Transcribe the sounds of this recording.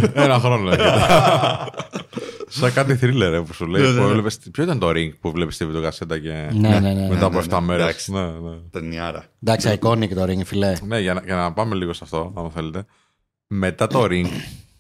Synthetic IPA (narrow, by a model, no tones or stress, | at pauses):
enɐxɾo̞noe | sekɐt̪iθɾile̞ɾepusuleuevlepespçoit̪ɐnt̪o̞ɾiŋɡpuvle̞pi̥st̪ivit̪okɐse̞t̪ɐce̞nenenemet̪ɐpoeft̪ɐme̞ɾesne̞net̪eniɐɾɐ̰nd̪ɐksiɐikoniket̪oɾiŋɡfilene̞ʝɐnɐcenɐpɐme̞liɣo̞st̪ɐft̪o̞nɐmɐθe̞let̪e̞ | me̞t̪ɐt̪o̞ɾiŋɡ